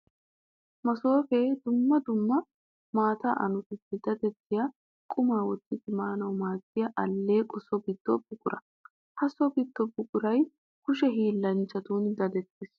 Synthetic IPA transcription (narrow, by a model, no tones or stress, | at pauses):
mɐso̞ːfeːd̪ʊmːɐd̪ʊmːɐ | maːt̪a̰ːʔɐnʊt̪ɪtːɛd̪ɐd̪ɛt̪ːɪjɐ | kʼʊmaːwɔt̪ːɪt̪ɪmaːnɐwmaːtːɪjɐʔɐlːe̞ːkʼʊsɔbɪt̪ːɔ̰bʊkʼʊɾɐ | hɐsɔbɪt̪ːɔbʊkʼʊɾɐj | kʊʃɛɦiːlːɐnt͡ʃːɐt̪uːnd̪ɐd̪ɛt̪ːɪs